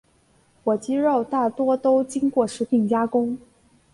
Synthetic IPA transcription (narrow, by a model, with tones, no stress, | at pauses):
wɔ˨˩t͡ɕi˥ɻo˥˧ʊt̪a˥˩t̪wɔ˥t̪o˥ʊt͡ɕi˥ŋkwɔ˥˩ʂɻ̩˧˥pʰi˧˥˩ŋt͡ɕja˥kʊ˥ŋ